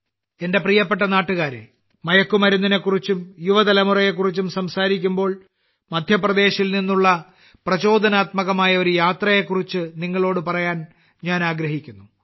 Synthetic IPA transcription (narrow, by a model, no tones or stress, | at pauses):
e̞nde̞prijɐpːe̞ʈːɐnaːʈːuɣaːɾḛ | mɐjɐkːumɐɾunːine̞kːurit͡ɕːumjuʋɐd̪ɐlɐmurɐjek̬ːurit͡ɕːumsɐmsaːɾikʲːumbo̞ːɭ | mɐd̪ʱjɐprɐd̪e̞ːɕilninːuɭːɐ | prɐt͡ɕo̞ːd̪ʱɐnaːt̪mɐɣɐmaːjɐo̞ɾujaːt̪rɐje̞kːurit͡ɕːɨniŋːɐɭo̞ːɽɨpɐrɐjaːn | ɲaːnaːɡɾɐɦikʲːunːu